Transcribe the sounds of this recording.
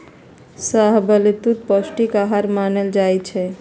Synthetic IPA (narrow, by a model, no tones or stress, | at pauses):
saɦbəlit̪ut̪̚pəsʈikaɦaɾmaneld͡ʒajt͡ʃʰɛ